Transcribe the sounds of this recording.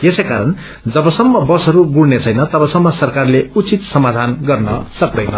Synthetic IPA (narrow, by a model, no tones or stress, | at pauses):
jesʌjkaɾʌn | d͡zʌbʌsʌmːʌbʌsʌɾuɡuɽnet͡sʰʌjnʌt̪ʌbʌsʌmːʌsʌrkarleut͡sit̪sʌmad̪ʱanɡʌrnʌ̰sʌk̚d̪ʌjnʌ